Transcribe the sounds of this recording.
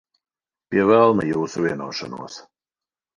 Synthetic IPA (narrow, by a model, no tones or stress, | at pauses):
pʲiɛvɛlˠnajuːsuvʲiɛnuɔːʃanṵɔs